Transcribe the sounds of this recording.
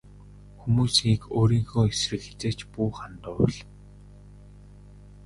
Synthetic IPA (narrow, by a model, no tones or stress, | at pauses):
xumuːsiːkoːɾiːŋxoːesrɘ̆kxe̥t͡seːt͡ɕpuːχant̪ʊ̆ːɮ